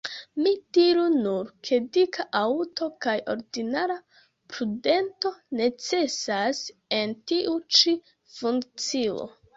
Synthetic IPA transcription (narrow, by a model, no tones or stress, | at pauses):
midiɾunuɾkʰe̞dikʰaʔauto̞kajo̞̰ɾdinaɾa | pɾude̞nto̞ne̞t͡se̞sase̞ntiʔut͡ʃi | fuŋkt͡sio̞̰